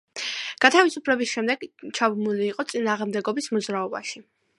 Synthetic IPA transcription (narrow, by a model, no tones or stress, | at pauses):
ɡ̥at̪ʰavisupʰlɛbisʃɛmd̪ɛɡt͡ʃʰabmuliːqʼɔt̪sʼinaːʁmd̪ɛɡɔbismɔd̪zɾaɔba̰ʃi